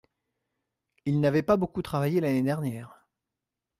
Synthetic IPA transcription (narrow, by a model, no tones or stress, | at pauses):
ilnavɛpabokut̪χavajelaned̪ɛʁnjɛːʁ